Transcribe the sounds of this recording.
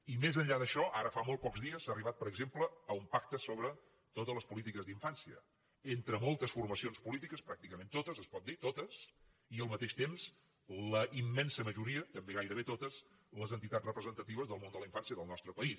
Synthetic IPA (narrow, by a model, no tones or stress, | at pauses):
imezəɲʎaðəʃɔʔaɾəfamolˠt̪̚pɔkzðiəsːaəriβat̪̚pəɾəɡzempləːumpak̚t̪əsoβɾə | t̪ot̪ələspulit̪ikəzðiɱfansiə̰ | ent̪ɾəmolˠt̪əsfurməsionspulit̪ikəspɾak̚t̪ikəmẽnt̪ot̪əzəspɔt̪̚d̪it̪ot̪əs | iəlˠmət̪eʃt̪emz | ləʔimːɛnsəməʒuɾiət̪əmbeɣajɾəβet̪ot̪əz | ləzənt̪it̪atrəpɾəzənt̪ət̪iβəzðəlˠmond̪ələiɱfansiəðəlˠnɔst̪ɾəpəis